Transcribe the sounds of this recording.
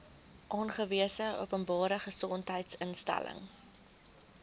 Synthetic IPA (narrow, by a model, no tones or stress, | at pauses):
ʔɑːnχəviəsəṵəpənbɑːɾəχəsɔntɦəjtsənstæ̰lə̰ŋ